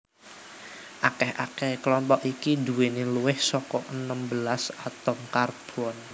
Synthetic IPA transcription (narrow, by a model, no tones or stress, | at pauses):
ʔakɛhʔa̰kɛhkəlɔmpɔʔikid̪uweneluwɪhsɔkɔʔənəmbəlasat̪ɔŋkarb̥ɔn